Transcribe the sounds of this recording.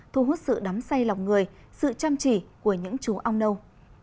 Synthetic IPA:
t̪ʰu˧˩ɦu˦˥t̚sɨ̰˧˨ɗɔ˨˦msa˧jla˨˩wk͡p̚ŋɨ˨˩əj | sɨ̰˧˨t͡ɕaː˧mt͡ɕḭ˧˩ku˧˩əɲɨ̰˧˥ŋt͡ɕu˨˦ʔa˧wŋ͡mɗə˧w

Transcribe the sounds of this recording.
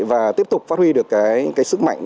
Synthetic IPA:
vaː˨˩t̪i˦˥əp̚t̪k͡p̚fa˦˥t̚hwi˧ɗɨ˨˩əkːaː˨˦jkaː˨˦jsɨ˦˥k̚ma̰˧˨jŋ

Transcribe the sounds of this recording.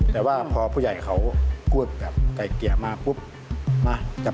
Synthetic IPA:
tt̪ɛː˨˩waː˧˩pʰɔː˧pʰuː˧˩˨a˨˩jkʰa˧˦wpʰu˥˩ək̚bɛː˨˩p̚ka˨˩jki˨˩əmaː˧pʰu˧˥˩p̚ | maː˧ka˨˩

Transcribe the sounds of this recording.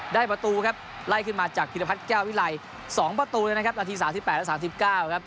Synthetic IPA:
daː˥˩jpɾa˧t̪uː˧kʰa˦˥p̚ | la˥˩jkʰɯ˥˩nmaː˧t͡ɕaː˨˩k̚ʰi˧t̪a˧pʰa˦˥t̪̚kɛː˥˩wwi˦˥la˧j | sɔː˩˦ŋpɾa˧t̪uː˧ləː˧na˥kʰp̚naː˧t̪ʰiː˧saː˨˩˦msi˨˩pɛː˨˩lsaː˩˦msi˨˩p̚kaː˥˩wkʰa˦˥p̚

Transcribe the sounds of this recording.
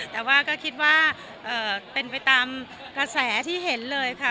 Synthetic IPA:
t̪ɛː˨˩waː˥˩kɔː˥˩kʰi˦˥t̪̚waː˥˩ | ʔɤː˨˩pe˧npa˧jt̪aː˧m | ka˧sɛː˩˦t̪ʰiː˥˩ɦe˩˦nlɤː˧jkʰa˥˩

